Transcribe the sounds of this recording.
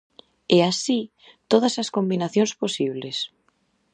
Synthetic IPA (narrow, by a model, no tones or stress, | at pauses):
ɛasi | t̪oð̞ɐsɐskombinaθjoŋsposiβ̞les